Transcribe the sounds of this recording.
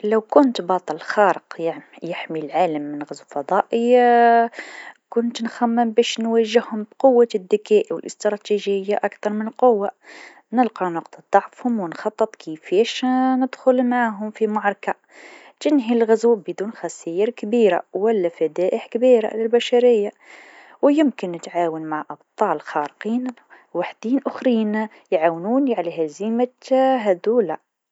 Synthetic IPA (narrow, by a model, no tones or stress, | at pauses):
læwkʊnt̪bɑt̪ˤɑlxɑɾəqjjɪħmilʕaləmːənɣæzufɑd̪ˤɑʔəj | kʊnt̪nxæmːɪmbæʃnwæʒəhhʊmbqʊwːad̪ːakæʔiwəlʔəst̪ɾˤɑt̪iʒəjːaʔakt̪ɑɾˤmɪnəlqʊwːa | nəlqɑnwɑq̚t̪əd̪ˤːɑʕfhʊmwənxɑt̪ˤːət̪ˤkʰifɛʃnɪd̪xʊlmaʕɦʊmfimʊʕɾˤɑka | t̪ɪnɦilɣazuːbəd̪uːnxæsæjɪɾkbiːɾa̰wælːæfæd̪æːʔəħkbiːɾa̰lɪlbæʃaɾɪjːa | wjɪmkɪnːɪt̪ʕaːwənmaʕʔɑbt̪ˤɑːlxɑɾqiːn | waħd̪̥iːnʔʊxɾiːn | jʕawnuːnʕaleɦæzimaɦæd̪uːla